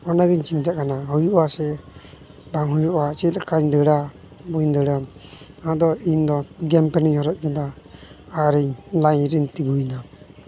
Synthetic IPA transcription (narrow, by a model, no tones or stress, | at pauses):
ɔnaɡɛɲt͡ʃiɲd͡ʒaʔkanaɦɔjuʔasɛ | baŋɦujɔʔat͡ʃɛlakaɲd̪əɽa | bujnd̪əɽaaãd̪ɔind̪ɔɡɛmpɛnɛɲhɔɾɛt̪̚ˀkɛna | aɾɛɲlaɲɾɛɲt̪iɡujna